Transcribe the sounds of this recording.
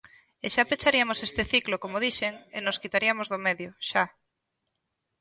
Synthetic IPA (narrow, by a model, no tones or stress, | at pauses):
eʃapet͡ʃaɾiamosest̪eθiklokomoðiʃeŋenoskit̪aɾiamozðomeðjoʃa